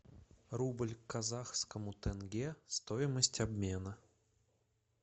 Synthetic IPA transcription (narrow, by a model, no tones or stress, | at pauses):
rublʲkːɐzaxskəmʊt̪ɛnɡʲest̪oɪməsʲtʲɐbmʲenə